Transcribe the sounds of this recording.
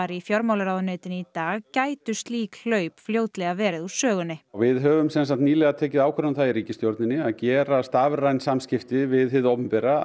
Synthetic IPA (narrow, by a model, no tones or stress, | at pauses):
aɾifjɔɾmaːwlaɾawðʏnœɥt̪ɪnit̪aːɣcaːjt̪ʏst̪liːkl̥œːɥpfljoːwt̪lɛɣavɛːɾɪðu̥sœːɣʏnɪwvɪðɦœːvʏmsɛns̬at̪niːlɛɣat̪ʰɛːcɪðaːwkʰɛɾanθaðiɾiːcɪst̪jowɾt̪nɪnːɪaðcɛːɾast̪avɾajnsamscɪft̪ɪvɪðɦɪðowpʏmpɛɾa